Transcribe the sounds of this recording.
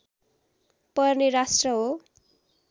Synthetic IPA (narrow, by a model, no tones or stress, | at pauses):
pʌrnerasʈrʌɦo